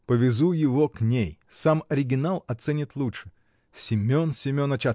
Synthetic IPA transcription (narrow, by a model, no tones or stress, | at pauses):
pəvʲɪzujɪvoknʲejsamɐɾʲɪɡʲɪnalˠɐt̪sɛnʲɪt̪lˠuʂɨ̥ | sʲɪmʲonsʲɪmʲo̞nɐt͡ɕa